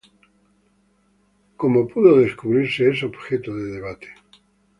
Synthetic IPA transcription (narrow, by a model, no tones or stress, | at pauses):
ko̞mopuðoðe̞skuβɾiɾseesobxet̪oðeðeβ̞at̪e̥